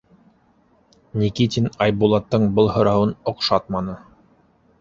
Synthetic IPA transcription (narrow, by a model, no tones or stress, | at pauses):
nʲikit̪ʲinɑjbulˠɑt̪ːɤɴbɤlˠhɤ̆ɾɑwɤnŏqʃɑt̪̚mɑnɤ